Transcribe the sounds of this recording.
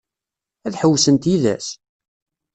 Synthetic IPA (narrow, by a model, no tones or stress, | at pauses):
æðħəwːsənt̪iðæ̰s